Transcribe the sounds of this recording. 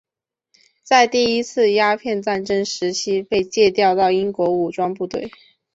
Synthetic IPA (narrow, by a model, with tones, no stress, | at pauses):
t͡sa˥˧ɪt̪i˥˩i˥t͡sʰɹ̩˥˩ja˥pʰjɛ˥˧nt͡sa˥˩nʈ͡ʂə˥nʂɻ̩˧˥t͡ɕʰi˥pe˥˧ɪt͡ɕjɛ˥˧t̪jɑ˥˧ʊt̪ɑ˥˩ʊi˥nkwɔ˧˥u˨˩ʈ͡ʂwɑ˥ŋp̬u˥˧t̪we˥˩ɪ